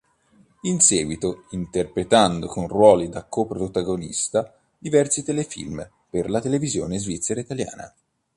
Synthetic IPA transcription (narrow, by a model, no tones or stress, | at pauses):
insɛːɡwit̪oint̪erpɾet̪and̪okonrwɔːlid̪akopɾot̪aɡonḭst̪a | d̪ivɛrsit̪elefḭlm | perlat̪elevizjoːnezvit̪sːeɾait̪alja̰ːna̰